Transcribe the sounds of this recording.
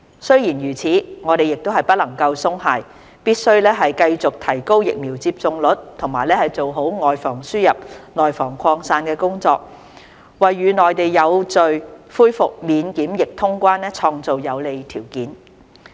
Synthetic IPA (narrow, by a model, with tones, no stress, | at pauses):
sɵ˥ɥjiː˨˩njyː˨˩t͡sʰiː˨˥ŋɔː˨˧ɾe˨jɪ˨k̚t̪o˥wɦɐ˨jpɐ˥t̚lɐ˨˩ŋkɐ˧wsʊ˥ŋɦaː˧j | piː˥t̚sɵ˥ɥlɛː˥ɦɐ˨jkɐ˧jt͡sʊ˨k̚t̪ʰɐ˨˩jko˥wjɪ̰˨k̚miː˨˩wt͡siː˧˥p̚t͡sʊ˨˧ŋlɵ˨˥t̚t̪ʰʊ˨˩ŋmaː˨˩jlɛː˥hɐ˨jt͡so˨wɦo˨˥wŋɔː˨˩jfɔː˨˩ŋsyː˥jɐ˨p̚nɔː˨˩jfɔː˨˩ŋkʰɔː˧ŋsaː˧nkɛː˧kʊ˥ŋt͡sɔ̰ː˧k̚ | wɐ˨jːyː˨˧nɔː˨jt̪e˨jːɐ˨˧wt͡sɵ˨˧ɥfuː˥jfʊ˨k̚miː˨˧nkiː˨˥mjɪ˨k̚t̪ʰʊ˥ŋkʷaː˥nɛː˥t͡sʰɔː˧ŋt͡so˨wjɐ˨˧wle˨˧jt̪ʰiː˨˩wkiː˨˥n